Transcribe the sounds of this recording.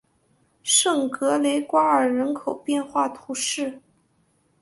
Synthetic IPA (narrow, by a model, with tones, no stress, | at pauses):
ʂɤ˥˩ŋkɤ˧˥le˧˥ɪkwa˥ə˞˨˩ɻə˧˥nkʰo˨˩ʊpjɛ˥˧nxwa˥˩t̪ʰu˧˥ʂɻ̩˥˩